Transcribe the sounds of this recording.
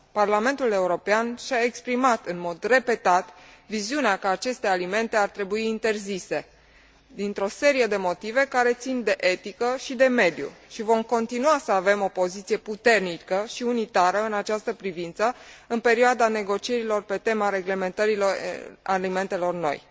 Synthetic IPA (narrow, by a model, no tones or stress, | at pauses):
parlame̞nt̪ule̞uɾo̞peanʃaekspɾimat̪ɨnmo̞d̪re̞pe̞t̪at̪viziuneakəat͡ʃe̞st̪e̞alime̞nt̪e̞art̪ɾe̞buiːnt̪e̞rzise̞ | d̪int̪ɾo̞se̞ɾije̞d̪e̞mo̞t̪ive̞kaɾe̞t̪sind̪e̞ʔe̞t̪ikəʃid̪e̞me̞d̪jṵʃivo̞mko̞nt̪inuasəave̞mo̞po̞zit̪sije̞put̪e̞rnikəʃiunit̪aɾəɨnat͡ʃast̪əpɾivint̪səɨnpe̞ɾioad̪ane̞ɡo̞t͡ʃie̞ɾilo̞rpe̞t̪e̞maɾe̞ɡle̞me̞nt̪əɾiloralime̞nt̪e̞lo̞rno̞̰j